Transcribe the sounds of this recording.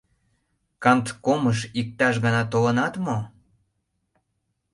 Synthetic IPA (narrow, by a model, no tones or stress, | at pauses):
kɑnt̪koməʃik̚t̪ɑʃɣɑnɑt̪olə̆nɑt̪mo